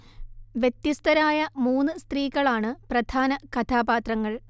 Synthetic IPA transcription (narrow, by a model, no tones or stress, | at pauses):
ʋjet̪jist̪ɐɾaːjɐmuːnːɨst̪riːɣɐɭaːɳɨprɐd̪̥ʱaːnɐkɐt̪ʰaːbaːt̪rɐŋːɐɭ